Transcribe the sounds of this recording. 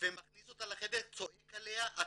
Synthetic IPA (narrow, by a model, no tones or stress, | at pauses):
vemaχnisot̪alaχed̪eʁt͡soʔekaleaʔa